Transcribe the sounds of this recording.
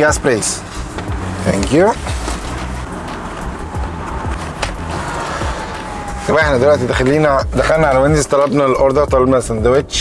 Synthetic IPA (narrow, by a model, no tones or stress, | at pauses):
ɡæspɾeːs | t̪æ̰ŋkju | t̪æbæeħnæd̪ielwæʔt̪id̪æxælːiːnæd̪æxælnæʕalæwænizt̪ːˤɑlɑbnɑlʔoɾˤd̪ɑt̪ˤɑlebnæsænd̪æwæʃ